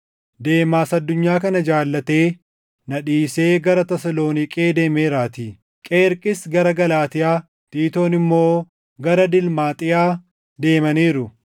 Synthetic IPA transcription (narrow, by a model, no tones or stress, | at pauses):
d̪e̞ːmaːsɐd̪ːʊɲːaːkɐnɐd͡ʒaːlːɐt̪e̞ː | nɐᶑiːse̞ːɡɐɾɐt̪ɐsɐlo̞ːnɪkʼeːd̪e̞ːmeːɾaːt̪iː | kʼeːɾkʼɪsɡɐɾɐɡɐlaːt̪ɪjaː | t̪iːt̪o̞ːnɪmːo̞ː | ɡɐɾɐd̪ɪlmaːt̪ʼɪjaː | d̪e̞ːmɐniːɾʊ